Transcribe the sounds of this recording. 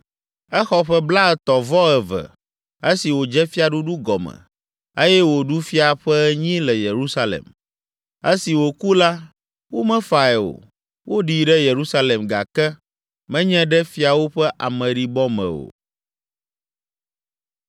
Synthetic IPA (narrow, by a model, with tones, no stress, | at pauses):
ɛ˦xɔ˦ɸɛ˦bla˦ɛ˨t̪ɔ˨vɔ˦ɛ˨vɛ̰˨ | e˦si˨wo˨d͡ʒɛ˦fi˦a˨ɖu˦ɖu˦ɡɔ˨mɛ̰̃˨ | e˦jɛ˦wo˨ɖu˦fi˦a˨ɸɛ˦ɲĩ˦lɛ˨je˨ɾu˦sa˦lḛ˨m | e˦si˨wo˨ku˦la˦ | wo˦mɛ̃˦fa˨ɛ˨o̰˨ | wo˦ɖi˨ɖɛ˦je˨ɾu˦sa˦le˨mɡa̰˨kɛ˦ | mɛ̃˦ɲɛ̃˦ɖɛ˦fi˦a˨wo˦ɸɛ˦ʔa˨mɛ̃˨ɖi˨bɔ˦mɛ̰̃˨o̰˨